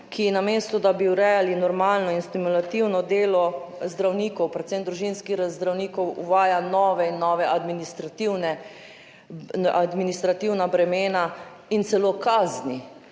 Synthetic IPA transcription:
kʰinameːst̪ɔd̪abiuɾɛjalinɔɾmaːlnɔinst̪imulat̪iwnɔd̪eːlɔzd̪ɾawniːkɔwpɾɛt̪sɛmd̪ɾuʒinskixzd̪ɾawniːkɔwuʋaːjanɔːʋɛinːɔʋɛʔad̪minist̪ɾat̪iwnɛ | ad̪minist̪ɾat̪iwnabɾɛmeːna | int̪sɛlokaːzni

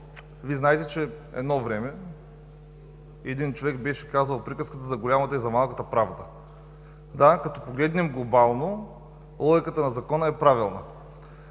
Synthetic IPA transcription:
viznaɛt̪ɛt͡ʃɛɛ̰d̪nɔvɾɛmɛ | ɛd̪int͡ʃovɛkbɛʃɛ̥kazɐlˠpɾikəskət̪əzɐɡolʲamɐt̪əizɐmalˠkət̪əpɾavd̪ə | d̪akɐt̪ɔpoɡlɛd̪nɛmɡlˠobalˠno | lˠɔɡʲikət̪ənɐzɐkɔnəɛpɾavilˠnə̰

